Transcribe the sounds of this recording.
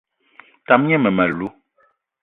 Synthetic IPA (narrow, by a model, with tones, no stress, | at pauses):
ta˨mɲɛ˦mɛ˨ma˨lu˦